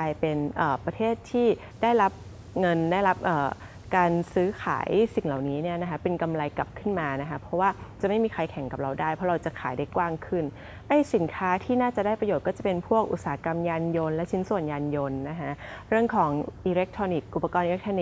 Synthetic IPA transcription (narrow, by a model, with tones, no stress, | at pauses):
kʰaː˧jpe˧nʔəː˨˩pɾa˧t̪ʰeː˥˩t̪ʰːiː˥˩ | daː˥˩jɾa˦˥p̚ | ŋɤ˧ndaː˥˩jɾa˦˥p̚ʔəː˨˩ | kaː˧nsɯː˦˥kʰa̰ː˩˦jsi˨˩ŋla˨˩wniː˦˥ni˥˩na˦˥kʰa˦˥pe˧nka˧mɾa˧jka˨˩p̚kʰɯ˥˩nmaː˧na˦˥kʰa˦˥pʰɔ˦˥waː˥˩t͡ɕa˨˩ma˥˩jmiː˧kʰa˧jkʰɛ˨˩˦ŋka˨˩p̚ɾa˧wdaː˥˩jpʰɾɔ˦˥ɾa˧wt͡ɕa˨˩kʰaː˩˦jdaː˥˩jkwaː˥˩ŋkʰɯ˥˩n | ʔa˥˩jsi˩˦nkʰaː˦˥t̪ʰiː˥˩naː˥˩t͡ɕa˨˩daː˥˩jpa˧joː˨˩t̪̚kɔː˥˩t͡ɕa˨˩pe˧npʰu˥˩ək̚ʔu˨˩saː˨˩˦a˦˥ka˧mjaː˧njo˧nlɛ˦˥t͡ɕʰi˦˥nsu˨˩ənjaː˧njo˧nːa˦˥kʰa˦˥ɾɯ˥˩əŋkʰɔː˩˦ŋʔiː˧le˦˥k̚t̪ʰɾɔː˧ni˨˩k̚ʔu˨˩pːa˧kɔː˧nʔiː˧le˦˥k̚t̪ʰɔː˧ni˨˩